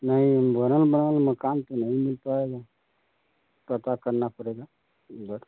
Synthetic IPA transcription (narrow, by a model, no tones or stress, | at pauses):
naimbʱənəlbənalməkant̪enaɦimilpaeɡa | t̪ət̪akəɾnapəɾeɡa | bəɾ